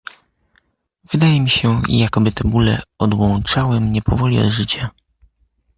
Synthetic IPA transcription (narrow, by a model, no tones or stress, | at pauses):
vɘd̪ajɛmʲiɕɛjakɔbɘt̪ɛbulɛ̰ɔd̪wɔ̃nt͡ʂawɘmɲɛpɔvɔlʲiɔ̰d̪ʐɘt͡ɕa